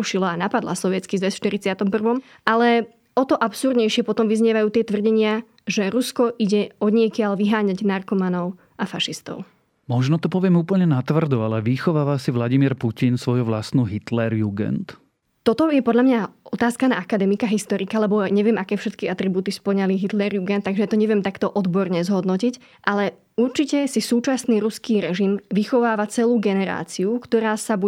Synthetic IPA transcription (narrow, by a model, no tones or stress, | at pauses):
uʃilɔanapad̪lˠa̰sɔʋɪɛt͡skizʋɛsfʃt̪iɾit͡sɪat̪ɔmpr̩ʋɔm | alɛ | ɔt̪ɔʔapsuɾd̪ɲɛjʃɪɛpɔt̪ɔmʋizɲɪɛʋajuːt̪ɪɛt̪ʋr̩ɟɛɲɪa | ʒɛɾuskɔʔiɟɛɔd̪ɲɪɛkɪaʎʋiɦaːɲaɟnarkɔmanɔʊ | ʔafaʃist̪ɔ̰ʊ | mɔʒnɔt̪ɔpɔʋɪɛmuːpl̩ɲɛnat̪ʋr̩d̪ɔalɛʋixɔʋaːʋasiʋlaɟimiɾpucinsʋɔjuʋlasnuːɦit̪lɛɾjuɡɛ̰nt̪ | t̪ɔt̪ɔjɛpɔd̪ʎamɲaʔɔt̪aːskana̰akad̪ɛmikaɦist̪ɔɾikaalɛbɔɲɛʋɪɛmʔakɛːfʃɛt̪kiat̪ɾibuːt̪ispɔɲaliɦit̪lɛɾjuɡɛnt̪ːaɡʒɛjat̪ɔɲɛʋɪɛmt̪akt̪ɔʔɔd̪bɔɾɲɛzɦɔd̪nɔcic | ʔalɛ | uɾt͡ʃicɛsisuːt͡ʃasniːɾuskiːɾɛʒimʋixɔʋaːʋat͡sɛluːɡɛnɛɾa̰ːt͡siukt̪ɔɾaːsabu